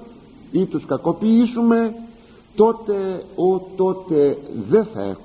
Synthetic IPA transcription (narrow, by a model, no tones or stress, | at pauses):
it̪uskɐko̞piisume̞ | t̪o̞t̪e̞ot̪o̞t̪e̞ðe̞θɐ̰ḛx